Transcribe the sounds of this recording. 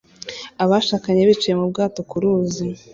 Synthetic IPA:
aβaʃaːkaɲe̞βit͡ʃije̞mubɡaːto̞kuɾuːzi

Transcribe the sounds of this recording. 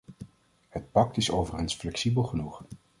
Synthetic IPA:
hət̚pɑk̚tɪsowvərənsflɛksibəlˠχənuχ

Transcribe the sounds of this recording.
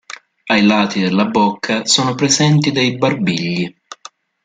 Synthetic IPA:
ajlaːt̪id̪elːabɔkʰːasɔːnopɾezɛnt̪id̪ejbarbiʎːi

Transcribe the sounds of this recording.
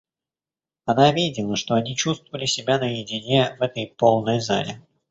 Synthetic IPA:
ɐnavʲidʲɪlˠəʂt̪o̞ɐnʲit͡ɕust̪vvəlʲɪsʲɪbʲanəjɪdʲɪnʲe̞vɛt̪əjpo̞lˠnəjza̰lʲɪ̰

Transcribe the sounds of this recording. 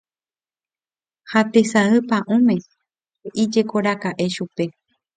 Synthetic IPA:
hat̪e̞saɨpãʔũmẽ̞ | eʔid͡ʒe̞koɾakaʔe̞ʃupe̞

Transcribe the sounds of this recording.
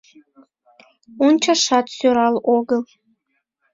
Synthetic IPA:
unt͡ʃʰaʂatʰʼsoɾalʔʷoɡɨl

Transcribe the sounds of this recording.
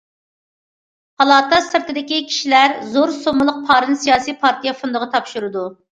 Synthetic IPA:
hɑlˠɑːt̪ʰɑsɨɾt̪ɪd̪ɪkʲikʲʰi̥ʃilæɾzoɾsomɨlˠəq̚pʰɑːɾɨnsijɑːsijpʰɑɾt̪ʰijɛfund̪ʊʁɑt̪ʰɑpʃuɾɨd̪u

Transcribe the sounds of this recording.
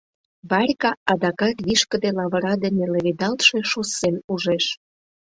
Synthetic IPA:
βɑɾʲkɑɑd̪ɑkɑt̪βiʃkə̆d̪elɑβəɾɑd̪ənĕlə̆βed̪ɑlt̪ʃe̽ʃosenuʒeʃ

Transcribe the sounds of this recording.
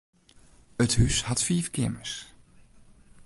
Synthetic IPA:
əthyshatfiːfkɪ̰məs

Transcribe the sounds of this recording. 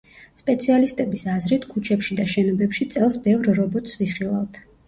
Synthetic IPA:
spʼɛt̪sʰialist̪ʼɛbisazɾit̪ʰkʰut͡ʃʰɛpʃid̪aʃɛnɔbɛpʃit̪sʼɛlˠsbɛvɾɾɔbɔt̪ʰsviχilˠavt̪ʰ

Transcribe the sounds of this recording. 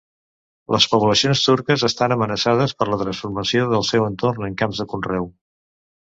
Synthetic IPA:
lʔəspuβləsionst̪uɾkəzəst̪anəmənəsað̞əspəɾlət̪ɾənsfuɾməsioðəlˠsɛwənt̪ornəŋkamzðəkunrɛw

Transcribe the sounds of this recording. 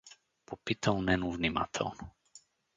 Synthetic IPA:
popɪt̪ownɛnuvnima̰t̪ʰo̰wn

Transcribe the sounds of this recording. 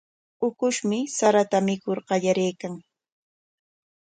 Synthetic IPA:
ʊkʊʃmɪsaɾat̪amɪkoɾɢɑʎaɾejkaŋ

